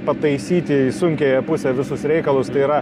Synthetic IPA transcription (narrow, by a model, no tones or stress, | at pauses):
pɐt̪ɐɪsʲiːt̪ʲɪisʊŋʲkʲeːjɛpʊsʲɛʋʲɪsʊsɾʲɛɪkɐlˠʊst̪ɐɪiːɾɐ